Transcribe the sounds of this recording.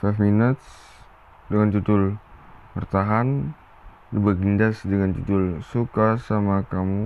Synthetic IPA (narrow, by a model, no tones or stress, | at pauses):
fɛfminət̪s | dəŋant͡ʃut̪ʊlpərt̪aɦan | dəbaɡindasdəŋant͡ʃutʊlsukasamakamu